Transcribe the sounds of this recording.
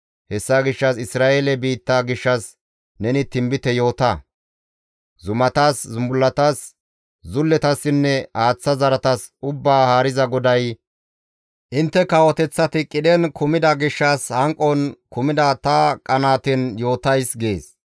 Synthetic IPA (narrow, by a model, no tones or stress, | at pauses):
hɛsːaɡɪʃːɐsɪsɾaːʔelɛbiːt̪ːaɡɪʃːɐs | nɛnɪt̪ɪmbɪt̪ɛjo̞ːt̪ɐ | zʊmɐt̪aːszʊmbʊlːɐt̪aːs | zʊlːɛt̪ɐsːɪnːɛaːt͡sːɐzɐɾɐt̪ɐsʊbːaːhaːɾɪzɐɡɔd̪ɐj | ʔɪnt̪ːɛkɐwɔt̪ɛt͡sːɐt̪ɪkʼɪd̪ɛnkʰʊmɪd̪ɐɡɪʃːɐshɐŋkʼːɔnkʊmɪd̪ɐt̪ɐkʼɐnaːt̪ɪnjo̞ːt̪ɐjsɡe̞ːs